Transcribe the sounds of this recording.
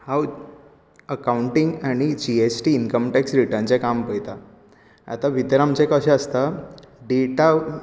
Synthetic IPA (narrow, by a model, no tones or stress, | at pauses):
haw | əkawuɳʈiŋɡaɽ̃id͡ʑiet͡ɕʈiːnkəmʈɛksɾiʈənt͡ɕẽkampəjt̪a | a̰t̪aʋʱit̪əɾamt͡ɕɛ̃kəɕɛ̃əst̪a | ɖeʈa